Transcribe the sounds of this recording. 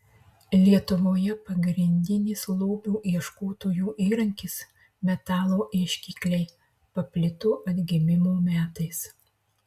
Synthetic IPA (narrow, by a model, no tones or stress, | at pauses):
lʲiɛt̪ʊʋoːjɛpɐɡɾʲɪnʲd̪ʲɪnʲɪslˠuːbʲuːʔiɛʃkoːt̪oːjuːʔiːɾɐŋʲkʲɪs | mʲɛt̪ɑːlˠoːʔɛʃʲkʲiːklʲɛɪ | pɐpʲlʲɪt̪ʊʔɐd̪ʲɡʲɪmʲɪmoːmʲæːt̪ɐɪs